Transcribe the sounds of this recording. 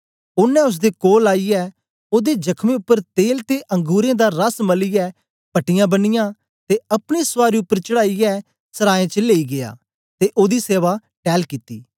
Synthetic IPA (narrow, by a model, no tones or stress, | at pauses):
ʊnːɛ̃ːʊs̬d̪ekoːlaːijɛː | oːd̪ed͡ʒɐkʰmẽʊpːəɾt̪eːlt̪eʔɐ̃ŋɡuːɾẽːd̪aːɾɐsməlijɛː | pɐʈɪjãːbənɪjãː | t̪eɐpɽ̃esʋaːɾiʊpːəɾt͡ʃəɽaːijɛː | səɾaːẽt͡ʃəleːiɡɪa̰ː | t̪eʔoːd̪iseːʋa | ʈɛːlkiːt̪ːiː